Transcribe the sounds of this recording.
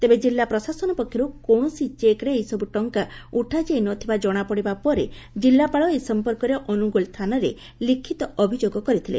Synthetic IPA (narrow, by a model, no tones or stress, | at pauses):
t̪ebed͡ʒilːapɾɔsasɔnɔpɔkʰːjɔɾukoɳ̃ɔsit͡ʃekɾeːjsɔbuʈɔŋkauʈʰad͡ʒejnɔt̪ʰibad͡ʒɔɽ̃apɔɽibapɔɾe | d͡ʒilːapaɭɔesɔmpɔɾkɔɾeʔɔnuɡolst̪ʰanɔɾe | likʰːit̪ɔɔbʱid͡ʒoɡɔkɔɾit̪ʰilḛ